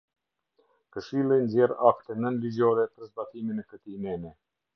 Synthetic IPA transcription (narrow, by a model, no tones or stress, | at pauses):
kəʃilˠɛnzɛɾakt̪ɛnənlizɔɾɛpəɾzbat̪iminɛkət̪inɛnɛ